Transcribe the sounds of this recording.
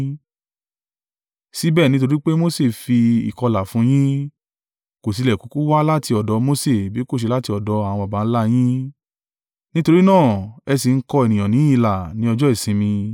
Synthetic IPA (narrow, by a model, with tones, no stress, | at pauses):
si˦bɛː˦˨nĩ˦t̬o˧ɾi˦k͡pe˦mo˦se˦˨fi˧ḭ˨kɔ˧la˨fũ˨˦j̃ĩ˦ | ko˨s̬i˨˧lɛ˨ku˨˦ku˦wa˦la˦ti˧ɔ˨dɔ˨˧mo˦se˦˨bi˨˦ko˦˨ʃ̬e˧la˦ti˧ɔ˨dɔ˨˧a˨ã˨˧ba˨ba˨˦n̩˦la˦j̃ĩ˦ | nĩ˦to˧ɾi˦nãː˦˨ɛ˧si˨˧ŋ̩˦kɔ˧e˨nĩ˨j̃ã˨nĩ˨˦i˦˧la˨nĩ˦ɔ˧d͡ʒɔ˦i˦˨sĩ˧mĩ˧